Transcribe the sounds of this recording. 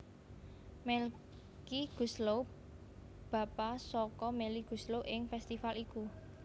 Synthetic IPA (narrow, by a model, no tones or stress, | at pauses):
mɛl | kiɡ̥ṳslow | b̥a̤pasɔkɔmeliɡ̥ṳsloʔɪŋfɛst̪ifaliku